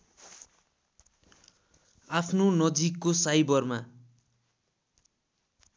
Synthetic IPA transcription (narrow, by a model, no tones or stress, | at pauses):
apʰnonʌd͡zikːosajbʌrma